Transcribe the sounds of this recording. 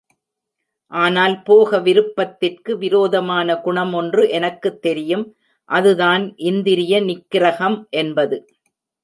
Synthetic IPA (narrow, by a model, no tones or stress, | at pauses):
ʔaːnaːlpoːɣɐʋɪɾɯpːɐt̪ːɪrkɯʋɪɾoːðɐmaːnɐɡʊɳɐmɔndrɯʔɛnɐkːɯt̪ːɛɾɪjɯm | ʔɐðɯðaːnʔɪnd̪ɪɾɪjɐnɪkːɪɾɐɣɐmʔɛnbɐðɯ